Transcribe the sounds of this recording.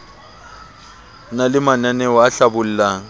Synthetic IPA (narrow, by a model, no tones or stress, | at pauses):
nalɪmananɛɔaɬabʊl̩ːlaŋ̩